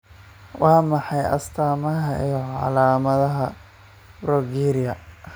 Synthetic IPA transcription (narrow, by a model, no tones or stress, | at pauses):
wɑːmɑħɑjɐ̰st̪ʰaːmɐɦɐijɔʕɑ̰laːmɐðɐɦɐ | bɾɔɡiːɾɪjɐ